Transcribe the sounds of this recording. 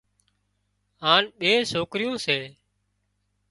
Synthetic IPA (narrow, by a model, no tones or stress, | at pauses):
ɦaːnɓeːsoːkɾɪjõːseː